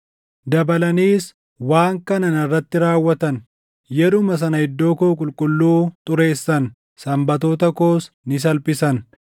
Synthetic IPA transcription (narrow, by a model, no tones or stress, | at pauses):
d̪ɐbɐlɐniːs | waːŋkɐnɐnɐrːɐt̪ːɪɾaːwːɐt̪ɐn | jɛɾʊmɐs̬ɐnɐhɪd̪ːo̞ːkoːkʼʊlkʼʊlːuːt̪ʼʊɾe̞ːsːɐn | sɐmbɐt̪o̞ːt̪̬ɐkoːs | nɪs̬ɐlpʼɪsɐn